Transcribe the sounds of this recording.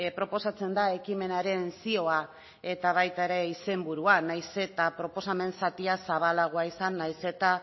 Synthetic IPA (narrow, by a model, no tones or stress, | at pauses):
pɾo̞po̞sat͡se̞nd̪ae̞kime̞naɾe̞nsio̞a | e̞t̪aβ̞ajt̪aeɾe̞ise̞mbuɾuanajse̞t̪apɾo̞po̞same̞nsat̪iasaβalaɣ̞oaisanːajse̞t̪a